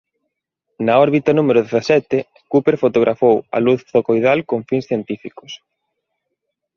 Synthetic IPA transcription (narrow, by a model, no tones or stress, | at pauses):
nɐɔɾβit̪ɐnumeɾʊðeθasɛt̪ɪ | kupeɾfot̪oɣ̞ɾʔafowɐ̰luθːokojðalkoŋfinsθjent̪ifikʊ̥s